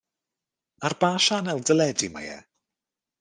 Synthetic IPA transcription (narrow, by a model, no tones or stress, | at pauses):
arbaːʃanɛlˠdəlɛdima̰jɛ̰